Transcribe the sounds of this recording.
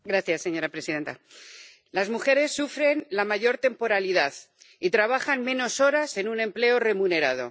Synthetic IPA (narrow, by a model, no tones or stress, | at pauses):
ɡɾaθjasːe̞ɲo̞ɾapɾe̞siðe̞nt̪a | lazmuxe̞ɾe̞sːufɾe̞nlamaʝo̞ɾt̪e̞mpo̞ɾaliðað | it̪ɾaβaxanmẽ̞no̞so̞ɾase̞nunẽ̞mple̞o̞re̞mũne̞ɾað̞o̞̰